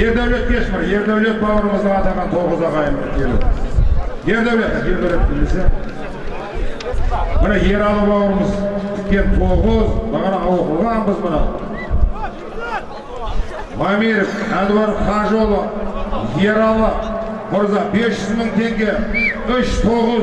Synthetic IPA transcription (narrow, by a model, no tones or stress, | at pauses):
je̞ɾd̪æwle̞t̪̚t̪ʰeʃbɪɾje̞ɾd̪æwlet̪̚bɑwəɾəməzd̪ɑɑd̪ɑmʁɑnt̪ʰo̞ʁəzɑʁɑjəmək̪ʲʰelḛt̪ɪje̞ɾd̪æwlet̪jʲelbelet̪̚bɪlmese | bɪɾɑje̞ɾɑlˠəbɑwəɾəməzt̪ʰɪ̥kʲːe̞nt̪ʰo̞ʁəzbɑʁɑnɑɑwəqəlˠʁɑnbəzbɪnɑ̰ | mɑmiɾefæld̪wɑɾχɑʒo̞lˠəje̞ɾɑlˠə | mʊɾzɑbe̞sʒ̥ʏzməɴt̪ʰe̞ŋɡʲe̞ʏʃt̪ʰo̞ʁəz